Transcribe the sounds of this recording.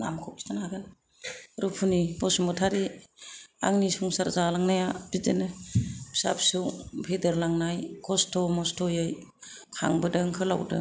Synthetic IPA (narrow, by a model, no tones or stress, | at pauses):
namkʰɔp̚i̥tanhaɡɯn | ɾupʰunibɔsumɔtʰaɾi | a̰ŋnisuŋsaɾzalaŋnajab̥idenɯbsa̰psɯwbʰedɯɾlaŋnajkɔstɔmɔstʰɔjɯjkʰa̰ŋbɯdɯŋkʰɯla̰wdɯ̰